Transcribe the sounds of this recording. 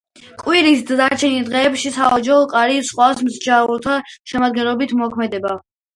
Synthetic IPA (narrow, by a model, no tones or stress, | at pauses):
qʼwiɾisd̪zaɾt͡ʃʰɛnid̪ʁɛːpʃisaɔd͡ʒaɔqʼaɾisχwasmzd͡ʒaɾulˠt̪ʰaʃɛmad̪̚ɡɛnlˠɔbit̪ʰmɔkʰmɛd̪ɛba